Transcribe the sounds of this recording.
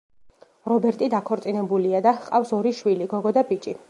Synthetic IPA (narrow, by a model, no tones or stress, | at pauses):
ɾɔbɛɾt̪ʼid̪akʰɔɾt̪sʼinɛbuliad̪aqʼafsɔɾiʃwiliɡɔɡɔd̪abit͡ʃʼi